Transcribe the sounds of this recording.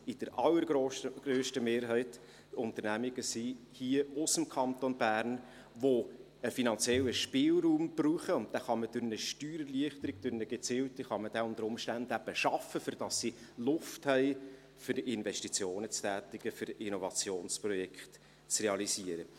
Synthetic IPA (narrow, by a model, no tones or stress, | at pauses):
ɪd̥əɾʔɑlːəɾɡ̥ɾoːʃəɡ̥ɾøːʃtəmeːɾɦɛɪt | ʊnt̪əɾnæmiɡ̥əsi | hiəʊsəmkʰɑnt̪onbæːɾn | ʋo | əfinɑnt͡sjɛlːəʃpɪːlɾuːmb̥ruːχəʊnt̚d̥̪ɛχɑməd̥ʊɾnəʃtyːɾəliəχtəɾɪɡ̥d̥ʊɾnəɡ̥et͡siːltiχɑməd̥ɛʊnd̪əɾʊmʃtændæb̥əʃɑfəfʏɾd̥ɑsːi | lʊfthɛɪ | fʏɾɪnvɛʃtit͡sjoːnət͡stæːt̪ɪɡ̥əfʏɾɪnɔvɑt͡sjoːnsprɔjɛkχt | t͡srɛɑlisiəɾə